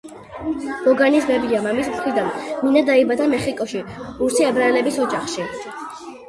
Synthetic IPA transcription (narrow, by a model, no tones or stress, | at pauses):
b̥ɔɡanismɛbiamamismt̪ʰɾid̪anminad̪aibad̪amɛχikʼɔʃiuɾsiabɾaɛlɛbisɔd͡ʒaχʃi